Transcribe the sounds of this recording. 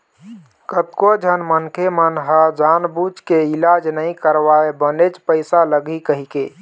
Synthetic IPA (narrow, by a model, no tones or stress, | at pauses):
kət̪kod͡ʒʱənmənkʰemənɦad͡ʒanbut͡ʃkeilad͡ʒnəĩkəɾʋaebənet͡ʃpəɪsaləɡikəɦike